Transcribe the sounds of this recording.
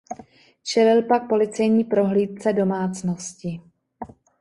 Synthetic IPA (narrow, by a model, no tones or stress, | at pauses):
t͡ʃɛlɪlpak̚po̞lɪt͡sɛjɲiːpɾo̞ɦliːt̪̚t͡sɛdo̞maːt͡snoscɪ